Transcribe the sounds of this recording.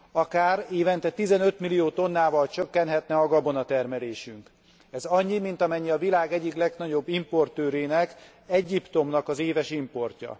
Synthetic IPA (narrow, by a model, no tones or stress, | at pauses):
ɒkaːreːvɛnt̪ɛt̪izɛnø̞t̪milijoːt̪o̞nːaːvɒlt͡ʃø̞kːɛnhɦɛt̪nɛɒɡɒbo̞nɒt̪ɛrmɛleːʃyŋk | ɛzɒɲːimint̪ɒmɛɲːiɒvilaːɡɛɟːiklɛɡnɒɟo̞bːimpo̞rt̪øːɾeːnɛk | ɛɟːipt̪o̞mnɒkɒzeːvɛʃimpo̞rcɒ̰